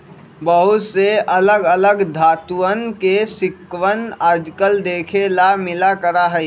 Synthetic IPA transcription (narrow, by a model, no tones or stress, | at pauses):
bəɦʊt̪seələɡələɡd̪ʱaːt̪uənkesɪkwənəd͡ʒkəld̪eːkʰelamɪlakəɾaɦɛi